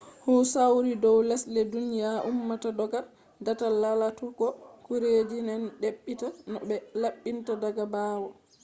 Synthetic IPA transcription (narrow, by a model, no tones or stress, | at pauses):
husawɾidɔwlɛslɛdunijaʔumːatadɔɡa | datalalatɔɡɔkuɾed͡ʒinɛnɗeɓːitanɔbɛlaɓːintadaɡabaːwɔ